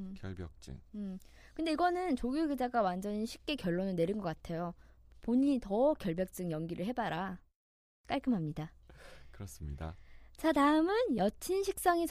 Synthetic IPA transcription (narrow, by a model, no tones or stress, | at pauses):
kjʌɭbjʌk̚t͡ɕ͈ɯ̰ŋɯ | kɯnde̞iɡʌnɯnt͡ɕoɡjoɡid͡ʑaɡawand͡ʑʌɲinɕʰi̥p̚k͈e̞kjʌɭːonɯne̞ɾinɡʌk͈atʰe̞jopoɲitʌkjʌɭbjʌk̚t͡ɕ͈ɯŋjʌŋɡiɾɯɭɦe̞baɾa | k͈aɭk͈ɯmɦamɲidakɯɾʌs͈ɯmɲida̰t͡ɕataɯmɯnjʌt͡ɕʰinɕʰik̚s͈aŋit͡ɕ